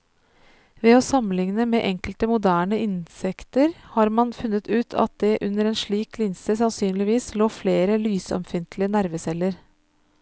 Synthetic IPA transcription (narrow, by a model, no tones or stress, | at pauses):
ʋeːɔsɑmlɪŋnəmeːʔɛŋkəlt̪əmʊd̪æːɳəɪnsɛkt̪əɾhɑːɾmɑnfʉnːət̪ʰʉːt̪ʰɑ̰t̪̚d̪ɛʔʉnːəɾɛːnʂɭiːklɪnsəsɑnsyːnlɪʋiːsloːfleːɾəlyːsɔ̰mfɪnt̪lɪənæɾʋəsɛlːəɾ